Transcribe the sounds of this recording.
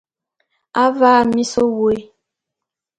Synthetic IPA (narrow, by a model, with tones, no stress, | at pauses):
a˦vaː˦˨mi˦so˦wo˨e˦˨